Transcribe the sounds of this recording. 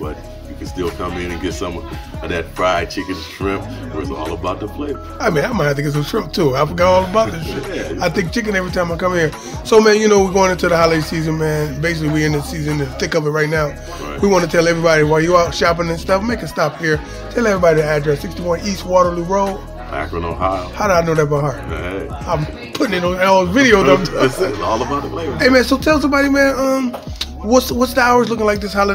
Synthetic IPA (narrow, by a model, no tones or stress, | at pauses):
b̥ʌ̰t͡ʃ | jɨkʰɨnstɪlˠkʰʌ̃mɪ̃nɨ̃nɡɛtsʌ̃mwʌ̰̃nɨnðɨt̚fʰɹ̥aɪt͡ʃʰɪkɨ̃ntʰɹ̥ɪp̚ðə̰˞ɨzɔ̰lˠəbaʊt̪̚ðəpʰl̥eɪ | aɪmĩnaɪmaɪθɪ̃ŋkɨts̬ɨtʰɹ̥ɪ̃p̚tʰuaɪfɡɑɾɔlˠəbaʊt̪̚ðɨtʰɹ̥ɪaɪθɪ̃ŋk̚t͡ʃʰɪk̬ɨ̃nɛvɹitʰãɪ̃maɪkʰʌ̃mhiɹ | soʊmæ̃njɨnoʊwiɡoʊɪ̃ŋɪ̃ntʰuðəhɑlˠesizɨ̃nmæ̃nbeɪs̬ɪkliwiɨ̃nðɨsizɨ̃nɨ̃nθɪ̃ŋkʌvɨt̚ɹaɪtⁿnaʊ | wiwɑ̃nɨtʰɛlˠɛvɹibɑɾiwajɨətʃɑp̬ɪ̃ŋɨ̃nstʌfmeɪkɨstɑp̚hiɹ | tʰɛlˠɛvɹibɑɾiðiædɹɛsfɪkfstiwʌ̃nist̚wɔɾə˞luɹoʊd̰̚ | ka̰haʊɾɨaɪnoʊðɨt̚b̥əɦɑɹd̚ãɪ̃m | pʰʊɾɪ̃ŋɨ̃nɨ̃nɔlˠvɪɾioʊðə̃ | ɔ̰lˠəbaʊteɪmæ̃nsoʊtʰɛlˠsʌ̃mbɑɾimæ̃nʌ̃m | wʌtswʌtsðəaʊə˞zlʊkɪ̃ŋlaɪk̚ðɪshalˠə